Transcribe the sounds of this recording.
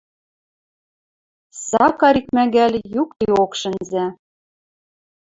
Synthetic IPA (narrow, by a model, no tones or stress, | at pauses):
sɑkɑɾikmæɡælʲjuk̚t̪iokʃɘ̆nzæ